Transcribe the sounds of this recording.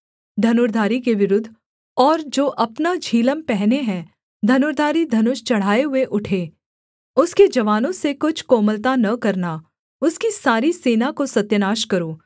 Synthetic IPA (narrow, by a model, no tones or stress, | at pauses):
d̪ʱɐnʊɾd̪ʱaːɾikeʋɪɾʊd̪ʱː | ɔːɾd͡ʒoːʔɐpnad͡ʒʱiːləmpɛɦneɦɛ̃ | d̪ʱɐnʊːɾd̪ʱaːɾid̪ʱɐnʊʃt͡ʃɐɽ̤aːeɦʊeʔʊʈʰeː | ʊsked͡ʒɐʋaːnõsekʊt͡ʃʰkoːməlt̪anɐkɐɾna | ʊskisaːɾiseːnakosɐt̪jənaːʃkɐɾoː